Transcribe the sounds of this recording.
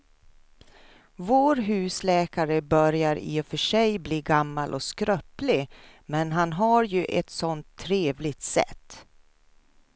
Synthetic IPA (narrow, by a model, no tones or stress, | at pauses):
voːɾɦʉ̟ːslɛːkaɾəbœɾjaɾḭːɔfœʂɛjbliːɡamːalʔɔ̰skɾœplɪ | mɛnɦanɦaɾjɵʔɛt̪sɔnt̪ʰːɾeːvlɪt̪sɛ̰t̪ː